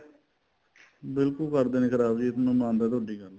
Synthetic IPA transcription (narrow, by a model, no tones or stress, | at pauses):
bɪlkʊlkəɾd̪eːnẽːkʰəɾaːbd͡ʒiːɪt̪nũːmãːnd̪aːt̪oɖiːkəɾ